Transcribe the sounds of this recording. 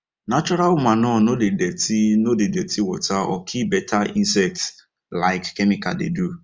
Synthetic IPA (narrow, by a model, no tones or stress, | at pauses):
nat͡ʃɔɾalmanɔnodedetinodedetʰiwɔtaɔ̰kʰibɛtaĩnsɛk̚t | laɪkːɛmika̰dḛdu